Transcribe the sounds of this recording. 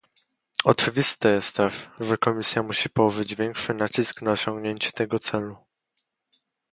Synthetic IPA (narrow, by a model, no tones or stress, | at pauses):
ɔt͡ʂɘvʲist̪ɛjɛst̪ːɛʂʐɛkɔmʲisʲjamuɕipɔwɔʐɘd͡ʑvʲjɛŋkʂɘnat͡ɕisknaɔɕɔ̃ŋɡɲeɲt͡ɕɛ̥t̪ɛɡɔt̪sɛlu